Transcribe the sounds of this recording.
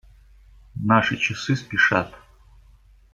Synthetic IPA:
naʂɨt͡ɕɪsɨspʲɪʂa̰t̪

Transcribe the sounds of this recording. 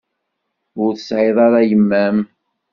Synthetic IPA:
ʊɾθəsʕeðˤɑɾˤæjəmːæm

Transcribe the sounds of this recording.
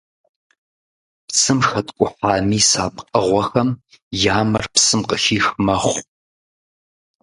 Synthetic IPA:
pt͡sʰɨmxɐtkʷʼʊħaːmiːsaːpʼqʼəʁʷɐxɐm | jaːmɐrpsɨmqʼəxiːxmɐχʷ

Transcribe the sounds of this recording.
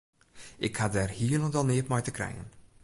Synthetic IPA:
ɪkhadɛːrhiːələntɔlˠneːpmɛjtəkrɛ̰jə̰n

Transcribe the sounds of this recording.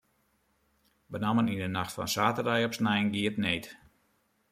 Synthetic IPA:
bənamənindənaxtfɔ̰nsaːtərdɛjɔpsnɛjənɡiətnejt

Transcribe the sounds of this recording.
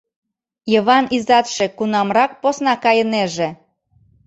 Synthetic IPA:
jəβɑnizɑt̪ʃekunɑmrɑk̚posnɑkɑjəneʒe

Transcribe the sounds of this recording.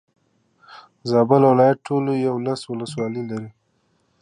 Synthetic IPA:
zɑbəlwɪlɑjat̪̚ʈʰolojawlaswʊləswɑlilaɾi

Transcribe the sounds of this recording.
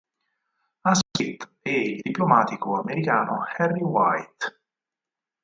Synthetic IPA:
askit̪ɛild̪iplomaːt̪ikoameɾikaːno̰hɛrːiwajt̪

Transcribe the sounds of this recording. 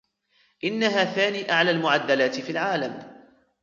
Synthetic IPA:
ʔɪnːaɦaːθaːniːʔaʕlaːlmʊʕad̪ːalaːt̪ɪfiːlʕaːlam

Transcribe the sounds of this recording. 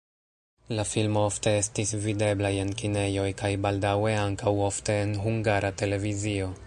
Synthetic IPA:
lafilmoofte̞e̞stisvide̞blaje̞nkine̞jo̞jkajbaldawe̞aŋkawo̞fte̞ːnɦuŋɡaɾʔate̞le̞vizio̞

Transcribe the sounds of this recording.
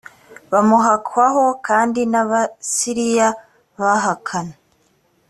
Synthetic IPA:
βamuɦakʰwaɦo̞kʰaːndinaβasiɾija | βaɦakʰana

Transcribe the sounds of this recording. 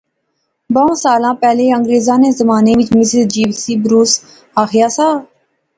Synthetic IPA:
bəõːsaːlãːpɛːleːəŋɡɾeːzãːneːzəmaːneːʋɪt͡ʃmɪsəɾd͡ʒiːʋsiːbɾuːs | aːxʰɪjaːsaː

